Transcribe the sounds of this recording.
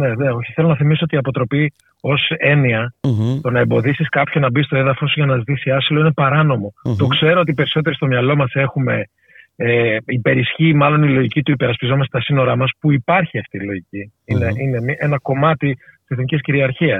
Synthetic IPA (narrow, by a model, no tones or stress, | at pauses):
ne̞neo̞çi̥θe̞lonɐθimisoot̪iɐpo̞t̪ɾo̞pi | o̞se̞niɐt̪o̞nɐembo̞ðisiskɐpçonɐbist̪o̞e̞ðɐfo̞suʝɐnɐzit̪isiɐsilo̞ine̞pɐɾɐno̞mo̞t̪o̞kse̞ɾo̞o̞t̪ipe̞ɾiso̞t̪e̞ɾist̪o̞mɲɐlo̞mɐse̞xume̞ | ipe̞ɾisçimɐlo̞nilo̞ʝicit̪uipe̞ɾɐspizo̞mɐst̪et̪ɐsino̞ɾɐmɐspuipɐɾçiɐft̪ilo̞ʝici | ineine̞miʔe̞nɐko̞mɐt̪iiseθnicisciɾiɐɾçiɐs